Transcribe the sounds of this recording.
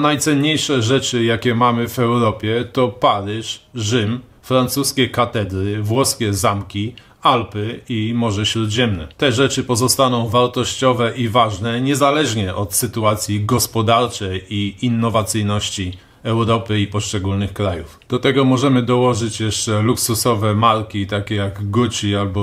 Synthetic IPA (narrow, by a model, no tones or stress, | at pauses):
najt̪sɛnɲejʂɛʐɛt͡ʂɘjakʲɛmamɘvɛwɾɔpʲjɛt̪ɔpaɾɘʂʐɘm | fɾant̪suskʲɛkat̪ɛd̪ɾɘvwɔskʲɛzamkʲi | alpɘimɔʐɛɕɾud̪ʑɛmnɛ̰t̪ɛʐɛt͡ʂɘpɔzɔst̪anɔ̃w̃vaɾt̪ɔɕt͡ɕɔvɛʔivaʐnɛɲɛzalɛʐɲɛʔɔt̪sɘt̪uat̪sʲjiɡɔspɔd̪aɾt͡ʂɛjiinːɔvat̪sɘjnɔɕt͡ɕi | ɛwɾɔpɘipɔʂt͡ʂɛɡulnɘxkɾajufd̪̥ɔt̪ɛɡɔmɔʐɛmɘd̪ɔwɔʐɘt͡ɕjɛʂt͡ʂɛluksusɔvɛmaɾkʲit̪akʲɛjaɡɡut͡ɕialbɔ